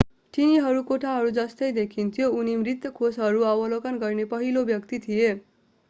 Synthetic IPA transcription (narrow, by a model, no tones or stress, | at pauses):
ʈiniɦʌɾukoʈʰaɦʌɾud͡zʌst̪ʌjd̪ekʰint̪ʰijounimrit̪jʌkʰosɦʌɾuʌbʌlokʌnɡʌrnepʌɦilobjʌkt̪it̪ʰije